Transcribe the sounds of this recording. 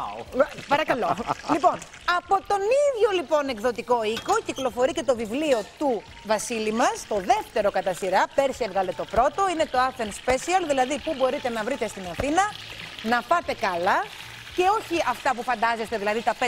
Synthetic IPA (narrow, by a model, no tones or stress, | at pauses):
pɐɾɐkɐlo̞lipo̞n | ɐpo̞t̪o̞niðʝo̞lipo̞ne̞kðo̞t̪iko̞iko̞ciklo̞fo̞ɾice̞t̪o̞vivlio̞t̪u | vɐsilimɐst̪o̞ðe̞ft̪e̞ɾo̞kɐt̪ɐsiɾɐpe̞ɾsievɣɐle̞t̪o̞pɾo̞t̪o̞ine̞t̪o̞ɐθenspesiɐlðilɐðipubo̞ɾit̪e̞nɐvɾit̪e̞st̪inɐθinɐnɐpɐt̪e̞kɐlɐ | ce̞o̞çiɐft̪ɐpufɐnd̪ɐzest̪e̞ðilɐðit̪ɐp